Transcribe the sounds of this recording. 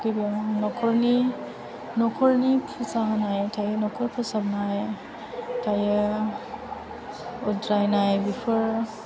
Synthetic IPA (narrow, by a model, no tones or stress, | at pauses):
kɯbanɔkʰɔɹni | nɔkʰɔɹnipʰusaɦanajtʰajɛnɔkʰɔɹpʰɔsabnaj | tʰaj | ɔdɹajnajbipʰɔɹ